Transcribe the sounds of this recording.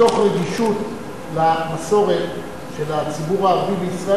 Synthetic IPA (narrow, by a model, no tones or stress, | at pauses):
o̞χʁeɡiʃut | laamaso̞ʁe̞t̪ | ʃe̞lat͡sibuʁaːʁavibeisʁa